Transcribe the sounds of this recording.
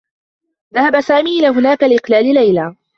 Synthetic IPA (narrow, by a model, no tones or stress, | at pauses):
ðahabasaːmiːʔɪlaːɦʊnaːkalɪʔɪqlaːlɪlajla